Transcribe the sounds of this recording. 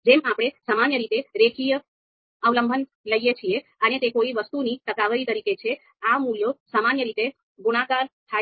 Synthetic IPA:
d͡ʒemapɽ̃esamanjəɾit̪eɾekʰijə | əʋləmbʱən | ləjet͡ʃʰieənet̪ekoiʋəst̪unit̪əkaʋəɾit̪əɾiket͡ʃʰe | amuljosamanjəɾit̪e | ɡuɽ̃akaɾt̪ʰa

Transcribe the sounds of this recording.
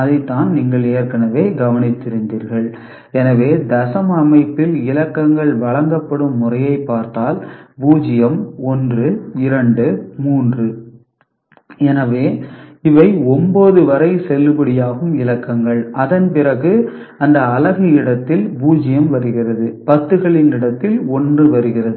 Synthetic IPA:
ɐðɐɪt̪ːaːnniːŋɡɐɭeːɾkɐnɐʋeːɡɐʋɐnɪt̪ːɪɾɯnd̪iːɾɣɐɭ | ɛnɐʋeːd̪ɐsɐmɐmɐɪpːɪlɪlɐkːɐŋɡɐɭʋɐɭɐŋɡɐpːɐɽɯmːʊrɐjɐɪpːaːɾt̪aːlbuːd͡ʒɪjɐmɔndrɯɪɾɐɳɖɯmuːndrɯ | ɛnɐʋeːɪʋɐɪɔmboːðɯʋɐɾɐɪsɛlːɯbɐɽɪjaːɣɯmɪlɐkːɐŋɡɐɭɐðɐnpɪrɐɣɯɐnd̪ɐːlɐɣɐɪɽɐt̪ːɪlbuːd͡ʒɪjɐmʋɐɾɯɣɪrɐðɯpɐt̪ːɯɣɐɭɪnɪɽɐt̪ːɪlɔndrɯʋɐɾɯɣɪrɐðɯ

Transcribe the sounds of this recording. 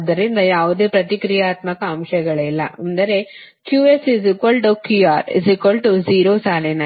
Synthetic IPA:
d̪ːɐɾind̪ɐjaːʋud̪eːpɾɐt̪ikɾijaːt̪mɐkɐːmʃɐɡɐɭilːɐ̰ʔɐnd̪ɐɾe̞ | kjuːesizikʋɐlʈukjuːaːɾḭzikʋɐlʈud͡ʒiːɾoːsaːlenɐ

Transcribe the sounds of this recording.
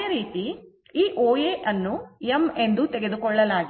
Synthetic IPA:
ɾiːt̪i | iːʔoːjeʔɐnːueme̞nd̪ut̪eɡe̞d̪ukɔɭːɐlaːɡi

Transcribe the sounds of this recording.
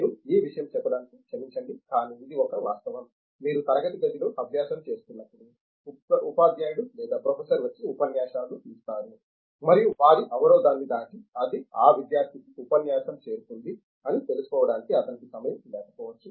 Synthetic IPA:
iɾuiːʋiʂɐjɐmt͡ʃɛpːɐɽaːniki̥t͡ʃɐmiɲt͡ʃɐɳɖikaːniid̪iɔkɐʋaːst̪ɐʋɐmː | iːɾut̪ɐɾɐɡɐʈiɡ̪ɐd͡ʒ̪iloːʔɐbʱjaːsɐmt͡ʃe̞ːst̪unːɐpːuɽi | upaːd̪jaːjɽulɛːd̪aːpɾoːpʰesɐɾʋɐt͡ʃːiupɐnjaːʂaːlut̪ilust̪aːɾu | mɐɾijuʋaːɾiʔɐʋɐɾɔːd̪aːnːid̪aːʈiɐd̪iaːʋid̪jaːɾt̪ʰikiupɐnjaːʃɐmt͡ʃe̞ːɾuk̪und̪i | ɐnit̪e̞lusu̥kɔːʋɐɽaːnikiɐt̪ɐnikisɐmɐjɐmlɛːkɐ̥pɔːʋɐt͡ʃːu

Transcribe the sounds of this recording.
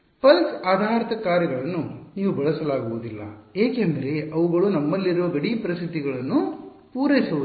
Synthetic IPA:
pɐlsaːd̪ʱaːɾɐt̪ɐkaːɾjɐɡɐɭɐnːuniːʋubɐɭɐsɐlaːɡuʋud̪ilːɐ̰eːkend̪ɐɾe̞ʔɐʋuɡɐɭunɐmːɐlːiɾuʋɐɡɐɽipɐɾɐsit̪iɡɐɭɐnːu | puːɾɐjisɐʋu

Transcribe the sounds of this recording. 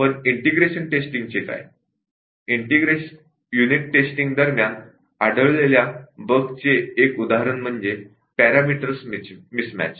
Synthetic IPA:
pəɳiɳʈiɡɾeɕənʈesʈĩŋɡ̚t͡ɕeka̰j | iɳʈiɡɾe | juniʈːesʈiŋɡd̪əɾmjan | aɽəɭleljabəɡt͡seːkud̪aɦɾənm̤əɳd͡ze | pæɾamiʈəɾsmimismæ̰t͡ɕ

